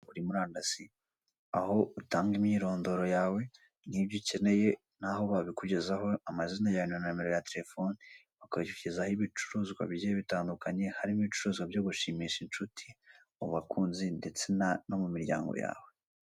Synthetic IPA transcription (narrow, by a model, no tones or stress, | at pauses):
uɾimuɾaːndasi | aho̞utaːŋɡimɲiːɾo̞ːndo̞ɾo̞jaːwe̞ | nibɟuce̞ne̞je̞ | naho̞βaβikuɟe̞zaho̞amazinajaɲanameɾo̞jateɾe̞fo̞ni | βakouɟezahiβit͡ʃuɾuzɡwa̰βɟieβitaːndukaɲe̞haɾimiβit͡ʃuɾuːzɡwabjo̞ːɡuʃimiʃint͡ʃutʰi̥ | uβakʰuːnzinde̞t͡se̞nnomumiɾɟa̰ːŋɡo̰ja̰ːwe̞